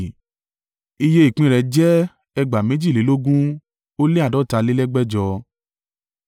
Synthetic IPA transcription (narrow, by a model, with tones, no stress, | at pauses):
i˧je˧i˨k͡pĩ˧ɾɛ˧d͡ʒɛ˦ | ɛ˧ɡ͡ba˨me˨˦d͡ʒi˦˨le˨˦lo˦ɡũ˦ | o˦le˦a˨dɔ˨˦ta˧le˦lɛ˦ɡ͡bɛ˦d͡ʒɔ˧